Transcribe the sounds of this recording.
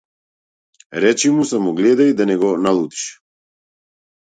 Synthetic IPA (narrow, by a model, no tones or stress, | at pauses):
ɾɛt͡ʃimusamɔɡlɛd̪ajd̪anɛɡɔnalˠut̪i̥ʃ